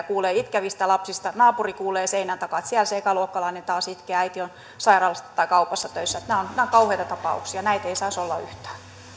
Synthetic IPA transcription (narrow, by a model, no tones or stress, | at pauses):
kuːleːit̪kæʋist̪ælɑpsist̪ɑnɑːpurikuːleːseinænt̪ɑkɑt̪siælseikæluokːɑlɑinent̪ɑːsit̪keæit̪ion | sɑirɑːlɑst̪ɑ̥t̪ɑikɑupɑsːɑt̪øisːæet̪næːonnæːoŋkɑuheit̪ɑt̪ɑpɑ̰ṵksiɑnæit̪eisɑisolːɑyht̪æ̥ː